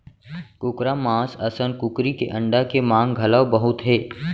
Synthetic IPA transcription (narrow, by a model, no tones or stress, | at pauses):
kʊkɾamãːsɐsənkʊkɾikḛʔɐ̃ɳɖakemãːŋɡɡʱɐləwbəɦʊt̪ɦɛː